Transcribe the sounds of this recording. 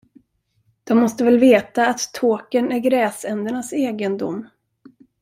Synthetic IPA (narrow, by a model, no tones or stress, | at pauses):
d̪̥ɔmːɔst̪əvɛlveːt̪aːt̪ʰːoːkənæɾɡɾɛːsɛnd̪əɳaseːɡənd̪ʊ̰mː